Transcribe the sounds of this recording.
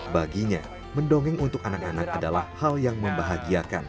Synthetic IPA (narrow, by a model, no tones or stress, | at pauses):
baɡiɲa | məndoŋɛŋunt̪ʊkanakanak̚adalahhaljaŋməmbaɦaɡiakan